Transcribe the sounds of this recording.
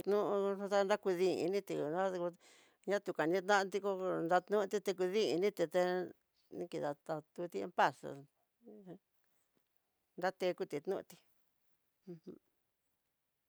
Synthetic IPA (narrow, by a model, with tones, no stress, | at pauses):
t̪nũ˦ʔʂũ˧t̪a˦nd̪a˦ku˧ðḭ̃˧nĩ˦t̪i˧˨n˦a˦˧ku˧ | ɲã˦t̪u˨ka˨nĩ˦t̪̬nã˦ʔt̪i˧ko˧nd̪a˧t̪nũ˦˧t̪i˧t̪e˧k̬u˧ðĩ˦i˧nĩ˦t̪i˧t̪e˧ | nĩ˦ki˧ða˨t̪a˧t̪u˧t̪i˦e˧˦mpa˦sa̰˨˧ | nd̪a˦t̪e˧ku˦˧t̪i˧˨t̪nũ˦ʔt̪ĩ̥˧ | h̩˦